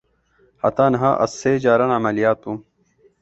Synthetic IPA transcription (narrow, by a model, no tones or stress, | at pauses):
hɐ̰t̪aːnɦa̰ʔɐ̰sːeːd͡ʑaːɾɐnɐmɐlijaːt̪ũ